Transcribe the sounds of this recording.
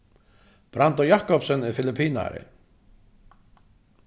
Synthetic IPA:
b̥ɾant̪ɔjaːhkɔpsʏnːɪðfɪlɪpʰːiːna̰ɾɪ̰

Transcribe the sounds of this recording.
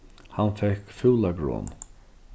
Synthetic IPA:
hanfɛhkfuːlaɡɾɔ̰ːn

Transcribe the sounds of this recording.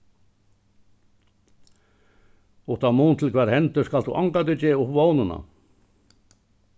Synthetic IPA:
uht̪amuːnt̪ʰɪlkʰvɛːɾhɛnt̪ʏ̥skalt̪ṵʔaŋkat̪̬ʏt͡ɕɛːʊvoːwnʏna̰

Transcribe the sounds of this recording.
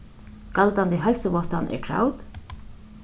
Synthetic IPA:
kalt̪ant̪ɪɦɛlsəʋɔht̪anʔɛ̰kʰɹa̰ːwt̪

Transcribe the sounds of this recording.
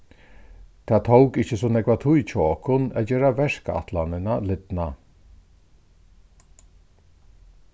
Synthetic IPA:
t̪ʰaːt̪ʰowkɪt͡ʃəsɔnɛɡvat̪ʰujt͡ʃʰɔɔkʰʊnad͡ʑɛːɾavɛʂka̰t̪ʰlanɪnalɪd̪na

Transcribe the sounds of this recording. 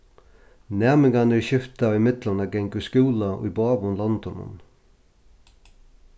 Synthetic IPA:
nɛːmɪŋanɛɕɪft̪ɑɪmɪd̪lənəɡɛŋkʉskʉːlaʔḭːbɑːʋʊnlɔnd̪ɔnə̰n

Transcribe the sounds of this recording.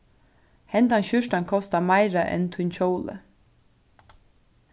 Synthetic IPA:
hɛnt̪anɕʏʃt̪ankʰɔst̪amajɾaʔɛ̰nt̪ʰʊnt͡ɕowlə̰

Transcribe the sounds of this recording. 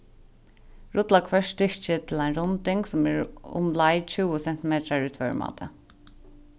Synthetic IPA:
ɹʊt̪lakʰʋœʂtɪɹt͡ʃət̪ʰɪlæɪnɾʊnt̪ɪŋksʊmæɹʊ̰mlɑɪt͡ɕʉːɔsɛn̥t̪ɪmeːt̪ɾaɹʉːt̪fœ̰ɹmɑ̰ːt̪ʰə̰

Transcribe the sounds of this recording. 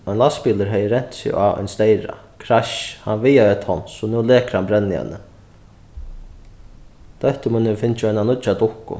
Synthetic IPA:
œjnlaspiːləɾɦɛjɪɾɛɲ̥t̪sɪ̰ɣa̰œ̰jnst̪ejɾa̰ | kʰɾaʃhanʋɪjaœt̪hɔnsʊnuːlɛːkəɾhanbɾɛnːɪhɛ̰nːə | d̪̥œht̪əmʊnːɪfɪnt͡ʃɪœnanʊt͡ʃat̪ʊhkʊ̰

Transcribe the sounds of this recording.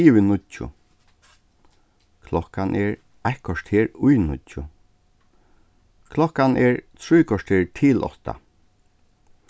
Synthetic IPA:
iʋɪnʊtːʊ̰ | kʰlɔhkanʔɛɹ | ahkɔʂt̪heːɹʊjnʊtːʊ̰ | kʰlɔhkanʔɛɹt̪ʰɾujkʰɔʂt̪heːɹt̪ʰɪlʔɔ̰ht̪a̰

